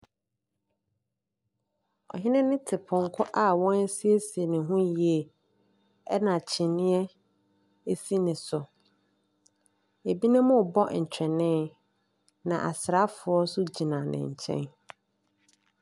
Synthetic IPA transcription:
ɔ̰˨ɦɪ˦nɪ̃˦nɪ̃˦tʰɪ˨pʰʊ̃˨ŋ̩˨kʰʊ˦ʔa˦˨wɔ̃˦n˦si˦e˦si˨e˨nɪ̃˨ɦʊ̃˦ji˨e˨ | ɛ˦nã˨t͡ɕʰɪ˨nɪ̃˦ɛ˦ | e˦si˦nɪ̃˨sʊ˨ | e˨bi˦nɪ̃˦mʊ̃˦˨bɔ˦˨ɲ̩˨t͡ɕᶣɛ˨nɪ̃˦ | nã̰˨ʔa̰˨sɾa˦fʊ˨ɔ˦sʊ˦d͡ʑi˨nã˨nɪ̰̃˨ɲ̩˨t͡ɕʰɛ̰̃˦n

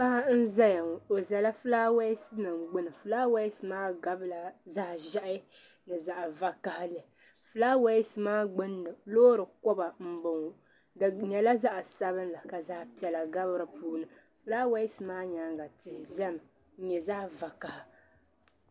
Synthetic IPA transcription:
pa˦ha˦n̩˦za˦ja˨ŋ˨o˨za˨la˦fɨ˦laː˦wa˦ɪ˦sɨ˦nɨ˨mɡ͡bʊ˦nɨ˨fɨ˦laː˦wa˦jsɨ˨maː˦ɡa˦bla˨za˦˨ʒa˦ʔɪ˦ | nɨ˨za˨ʔva˨ka˨ha˦lɨ˨ | fɨ˦laː˦wa˦jɪ˦sɨ˨maː˦ɡ͡bɨ˦nːɨ˨floː˦ɾɨ˨kɔ˦ba˨m̩˦bɨ˨ŋ˨ | dɨ˨ɲɛ˨la˦za˦ʔa˨sa˦βɨ˦n˦la˨ka˨za˦pi˦ɛ˨la˨ɡa˦bɨ˦ɾɨ˨puː˦nɨ˨ | fɨ˦laː˦wa˦ɪ˦sɨ˨maː˦ɲa˨˦ŋɡa˨tɪ˨hɪ˨zɛ˦m̩˨˦ | ɲɛ˨za˦va˨ka˨ha˦

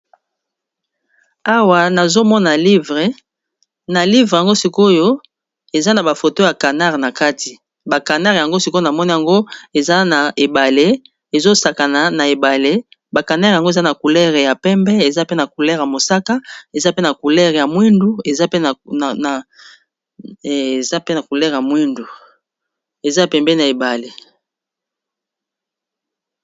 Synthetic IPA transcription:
a˦wa˨na˨zo˦mɔ˦na˨li˦vʁe˨ | na˨li˦vʁja˨ŋɡo˦si˦ko˦jo˦ | e˨za˦na˨ba˨fo˨to˦ja˨ka˨na˦ʁna˨ka˦ti˨ | ba˨ka˨na˦ʁja˨ŋɡo˦si˦ko˦na˨mɔ˦ni˦ja˨ŋɡo˦e˨za˦na˨ʔe˨ba˨le˦ | e˨zo˦sa˨ka˨na˨na˨e˨ba˨le˦ | ba˨ka˨na˦ʁja˨ŋɡo˦e˨za˦na˨ku˨lɛ˦ʁe˨ja˨pɛ˦mbɛ˦e˨za˦pe˦na˨ku˨lɛ˦ʁja˨mo˨sa˦ka˦e˨za˦pe˦na˨ku˨lɛ˦ʁja˨mwi˦ndu˦e˨za˦pe˦˨ | e˨za˦pe˦na˨ku˨lɛ˦ʁja˨mwi˦ndu˨ | e˨za˦ja˨pɛ˨mbɛ˦na˨e˨ba˨le˨

